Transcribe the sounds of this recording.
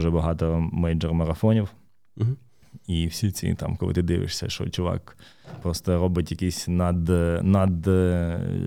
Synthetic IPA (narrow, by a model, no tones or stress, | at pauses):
ʒɛbɐɦɑt̪ɔmɛjd͡ʒɛrmɐɾɐfɔnʲiw̩ | iwsʲit͡sʲḭt̪ɑ̰mkɔlˠɪ̰t̪ɪd̪ɪʋɪ̰ʃsʲɐ̰ʃɔ̰t͡ʃʊʋɑ̰k | pɾɔst̪ɔɾɔbɪtʲjɐkisʲnɐd̪nɐd̪